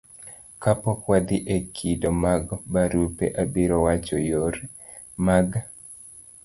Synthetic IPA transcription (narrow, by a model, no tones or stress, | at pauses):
kapɔkwad̪ɪʔekʰidomaɡbaɾupḛʔabiɾɔwat͡ʃɔjoɾ | maɡ